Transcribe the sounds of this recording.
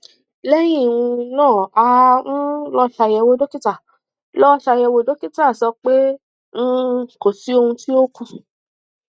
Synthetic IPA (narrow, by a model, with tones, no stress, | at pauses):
lɛ˦j̃ĩ˦˨ũ˧nãː˦˨a˧ñ̩˦lɔ˦ʃa˧jɛ˧wo˦do˦ki˦ta˦˨ | lɔ˦ʃa˧jɛ˧wo˨˦do˦ki˦ta˦˨sɔ˧k͡pe˦ | n̩˦˧ko˨si˨˦o˧hũ˧ti˦o˦kũ˦˧